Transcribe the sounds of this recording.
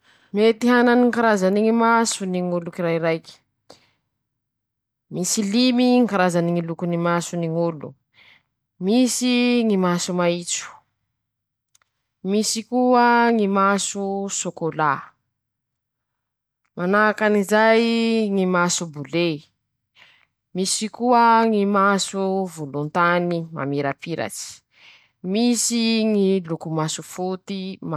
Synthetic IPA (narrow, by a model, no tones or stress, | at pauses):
met̪iɦananiŋkaɾazaniŋimasuniŋulukiɾaiɾajki̥ | misilimiŋkaɾazaniŋilukunimasuniŋulṵ | misiŋimasumait͡su̥ | misikuəŋimasusokola | manakanizajŋimasubule | misikuəŋimasuvulunt̪anima̰miɾapiɾa̰t͡si̥ | misiŋilukumasufut̪im